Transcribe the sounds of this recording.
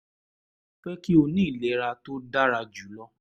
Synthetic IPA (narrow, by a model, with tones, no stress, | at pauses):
fɛ˦ki˦o˧nĩː˦˨le˨˦ɾa˧to˦da˦ɾa˧d͡ʒu˨˦lɔ˦